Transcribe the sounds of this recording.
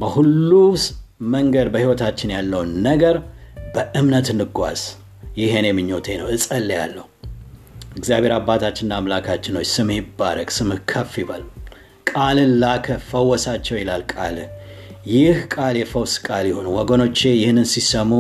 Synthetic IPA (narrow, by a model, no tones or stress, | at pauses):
bəhulːusməŋɡəd̪bəhiwɔt̪ʰat͡ʃːɪnjalːəwnːəɡəɾbəʔɨmnət̪ɨnːɨɡʷa̰z̥ | jɪɦenemɨɲːo̞t̪ʰenəwɨsʼəlːja̰lːəhu | ɛɡzjabʱe̞ɾabːat̪ʰat͡ʃːɪnːaːmlakʰat͡ʃːɪno̞t͡ʃːsɨmjɪbːa̰ɾəkʼsɨmɨkʰəfibal | kʼalɨnlakʰəfəwːɔsat͡ʃːɛwjɛlalkʼalɨjɪhkʼaljɛfəwskʼaljɪho̞nuwɔɡəno̞t͡ʃːejɪhnːɨnsisəmu